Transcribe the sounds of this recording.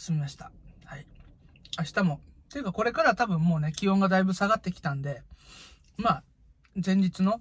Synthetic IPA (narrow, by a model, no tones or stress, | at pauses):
sɨmʲimaɕi̥t̪ḁhai | aɕi̥t̪amo̞t̪ejɯːkako̞ɾe̞kaɾat̪abɯ̟̃mːo̞ːne̞kʲiõ̞ŋɡad̪aibɯ̟saɡat̪ːe̞kʲi̥t̪ãnd̪e̞ | maː | zẽ̞ɲ̟d͡ʑit͡sɨno̞